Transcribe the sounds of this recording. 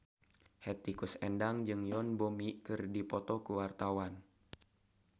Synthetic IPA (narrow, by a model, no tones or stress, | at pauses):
hɛt̪ikusɛndaŋd͡ʒɨŋjɔnbomikɨrdipɔt̪ɔkuwart̪awan